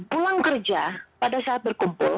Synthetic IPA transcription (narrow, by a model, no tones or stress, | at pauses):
pulaŋkərd͡ʒapadasaːt̪̚bərkumpʊ̰l